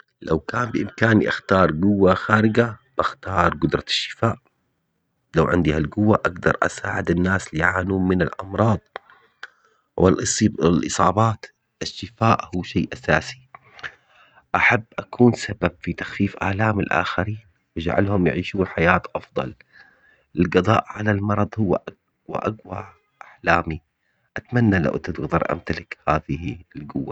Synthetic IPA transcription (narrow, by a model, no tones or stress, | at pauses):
lawkaːmbɪʔɪmkaːniʔaxt̪ɑːɾˤɡʊwːaxaːɾɪɡab̥axt̪ɑːɾˤɡʊd̪ɾˤɑʃːɪ̥faːʔ | lawʕɪ̰nd̪ihalɡʊwːaʔaɡd̪ɑ̰ɾˤʔa̰saːʕɪd̪anːaːslɪʕaːnuːmɪnalʔɑmɾˤɑːd̪ˤ | wɪ̰lʔɪlʔɨsˤɑːbɑːt̪ | ʔɪʃːɪfaːʔhuːʃeːʔasa̰ːsi̥ | ʔaħabːʔakʰuːnsababfit̪axfiːfʔa̰ːlaːmɪlʔa̰ːxaɾiːn | wɪd͡ʒa̰ʕa̰lhʊmjʕiːʃuːħajaːt̪ʔɑfd̪ˤɑ̰l | ʔɪlɡɑd̪ˤɑ̰ːʔʕalalmɑɾˤɑðˤhʊwːa̰ʔa | wa̰ʔaɡwa | ʔaħlaːmi | ʔat̪manːala̰wʔt̪ɪt̪ɣd̪ɑɾˤʔa̰mt̪alɪkhaːðɪhilɡʊwːa